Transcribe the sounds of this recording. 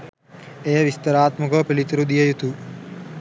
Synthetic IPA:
ejɐʋist̪ɐɾaːt̪mɐkɐpelit̪ɾud̪ijɐjut̪u

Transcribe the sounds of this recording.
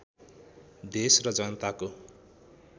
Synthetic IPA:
d̪esrʌd͡zʌnʌt̪ako

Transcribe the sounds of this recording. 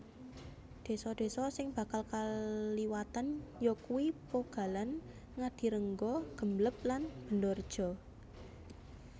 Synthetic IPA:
d̪̥e̤sɔd̪̥e̤sɔsɪŋb̥ä̤kalkaliwat̪anjɔkuwipoɡ̥a̤lan | ŋad̥i̤ɾəŋɡɔɡ̥ə̤mləp̚lanb̥ə̤ndɔrd̥ʒ̥ɔ̤

